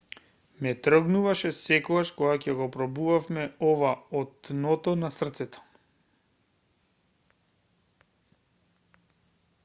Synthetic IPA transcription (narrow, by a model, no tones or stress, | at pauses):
mɛt̪ɾ̩ɡnuvaʃɛsɛkɔɡaʃkɔɡacɛɡɔpɾɔbuvafmɛɔvaɔt̪nɔt̪ɔnasr̩t̪sɛt̪ɔ̥